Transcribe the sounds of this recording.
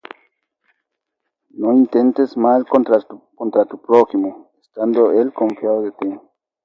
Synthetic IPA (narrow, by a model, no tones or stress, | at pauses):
noint̪ent̪esmalkont̪ɾakont̪ɾat̪upɾoximoest̪and̪oelkoɱfjaoðet̪e